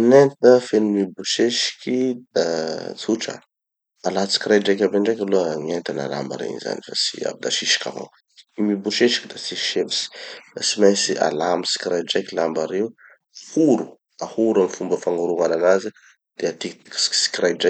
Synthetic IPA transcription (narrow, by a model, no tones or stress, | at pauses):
nent̪əfenimibuʃeʃi̥kʲid̪at͡suʈ͡ʂə̰ | alat͡si̥kirajɖ͡ʐajkʲabaɳɖ͡ʐajkʲaloŋient̪ana̰la̰mba̰ɾḛinza̰nifasi̥̰a̰bid̪aʃiʃi̥kʲa̰ma̰w | mibuʃeʃi̥kʲid̪at͡siʃevisi̥d̪asimasia̰lamisi̥kʲɾajd͡ʒajkʲilambaɾew | huɾu | ahuɾamifumbəfaŋɡaɾuŋalanazi | d̪̥eat̪ikt̪i̥ksi̥ksi̥kʲrajɖ͡ʐajk